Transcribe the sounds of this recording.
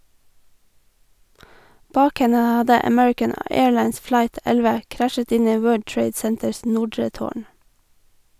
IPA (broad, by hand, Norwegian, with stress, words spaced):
ˈbɑːk ˈhɛnə ˈhɑdə əˈmɛɹɪkən ə ˈeːɹˌlɑɪns ˈflɑɪt ˈɛlʋə ˈkɾæʃət ˈɪn ˈiː ˈwɜːɖ ˈʈɹeɪd ˈsɛntəɹs ˈnʊɖɹə ˈtoːɳ